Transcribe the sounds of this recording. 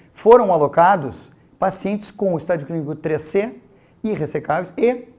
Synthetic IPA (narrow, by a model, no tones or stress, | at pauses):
foɾɐ̃w̃alokad̪ʊs | pasiẽnt͡ʃɪ̥skõʊist̪ad͡ʒʊklĩnikʊt̪ɾese | iɦesekavejsɪ